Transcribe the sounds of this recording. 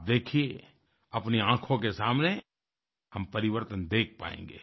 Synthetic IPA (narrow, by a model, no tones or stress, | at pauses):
d̪eːkʰie | ɐpniãːkʰõkesaːmne | hɐmpɐɾɪʋəɾt̪ənd̪eːk̚ʰpa̰ːḛ̃ːŋɡḛː